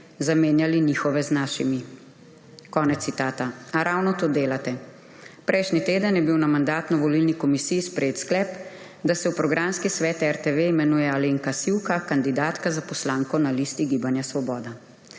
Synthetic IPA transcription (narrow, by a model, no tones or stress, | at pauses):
zameːnjalinixɔʋɛznaːʃḭmi | kɔːnɛt̪ːit̪aːt̪aaɾawnɔt̪oːd̪eːlat̪ɛ | pɾʔɛjʃnit̪eːd̪ənjɛbiwnamand̪aːt̪nɔʋɔlilnikɔmisijːspɾɛjeːt̪sklɛːp | d̪asɛwpɾɔɡɾamskisʋɛːt̪ɛɾt̪eʋeimɛnuːjɛaleːŋkasiwkakand̪id̪aːt̪kazapɔslaːŋkɔnaliːst̪iɡibanjasʋɔbɔːd̪a